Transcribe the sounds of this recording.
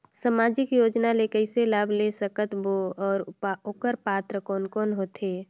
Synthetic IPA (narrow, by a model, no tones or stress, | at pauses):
samaːd͡ʒɪkjoːd͡ʒnalekəɪselaːbʱlesəkət̪boɔːɾokəɾpaːt̪ɾəkɔːnkɔːnɦot̪eː